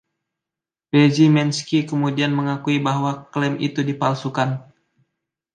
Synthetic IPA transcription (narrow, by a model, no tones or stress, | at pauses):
bed͡ʒimɛnskikəmudianməŋakuibaɦwaklɛmḭt̪udipalsukan